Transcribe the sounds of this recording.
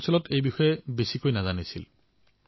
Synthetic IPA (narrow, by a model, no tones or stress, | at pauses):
sɔlɔtʰejbixɔjɛbesikojnazanisil